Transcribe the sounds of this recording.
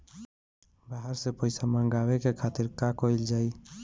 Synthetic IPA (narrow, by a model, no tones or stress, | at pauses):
baɦəɾsepəɪsamə̃ŋɡaːwekekʰaːt̪ɪɾkakoɪld͡ʒaːi